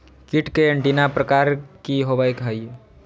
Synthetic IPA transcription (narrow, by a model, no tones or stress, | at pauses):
kiʈkeəɳʈinapɾəkaɾkiɦobajkɦəj